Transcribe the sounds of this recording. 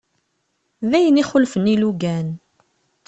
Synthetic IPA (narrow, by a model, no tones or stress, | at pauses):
ðæjəniχʊlfənːiluɡæn